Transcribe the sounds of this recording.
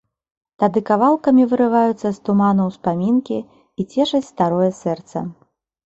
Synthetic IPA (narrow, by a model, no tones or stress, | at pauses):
t̪ad̪ɨkavalˠkɐmʲivɨɾɨvajut̪sːɐst̪umanɐwspamʲinkʲi | it͡sʲɛʂɐt͡sʲst̪aɾɔjɛsɛrt̪sɐ̰